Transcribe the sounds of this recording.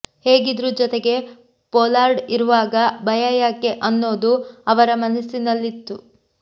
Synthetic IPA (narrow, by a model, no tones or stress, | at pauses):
heːɡid̪ɾuːd͡ʒɔt̪eɡe̞ | pɔːlaːɾɖiɾuʋaːɡɐbɐjɐjaːkeʔɐnːo̞ːd̪uɐʋɐɾɐmɐnɐsinɐlːit̪ːu